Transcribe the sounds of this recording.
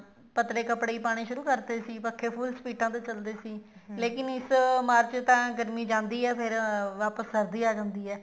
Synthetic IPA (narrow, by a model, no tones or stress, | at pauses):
pət̪leːkəpɽiːpaːɽ̃iːʃʊɾuːkəɾd̪eːsiːpəkʰːeːpʰʊːlspiːʈãːt̪eːt͡ʃəld̪eːsiːleːkɪnɪsmaːɾt͡ʃt̪ãːɡəɾmiːd͡ʒãːnd̪iːɛːpʰɪɾʋaːpəskəɾd̪iːaːd͡ʒãːnd̪iːɛː